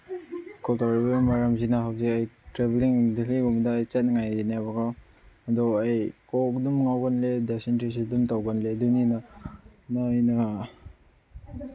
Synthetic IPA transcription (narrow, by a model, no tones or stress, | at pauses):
kɔltaɾibamaɾamzinaɦawzikajtɾebliŋdiliɡumdaːjt͡ʃɐt̚nŋajdinabaɡaw | ɐdɔajkɔk̚dumŋawɡanledesentɾis̬idumtawɡanledunina | najnɐ